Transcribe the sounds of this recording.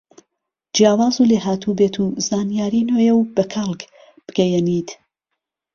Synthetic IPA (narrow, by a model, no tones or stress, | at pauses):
d͡ʒjaːwaːzuleɦaːt̪ʰubeːt̪ʰuzaːnijaːɾinojɛwbɐkʰalˠk | b̥ɨɡɛjɛniːt̪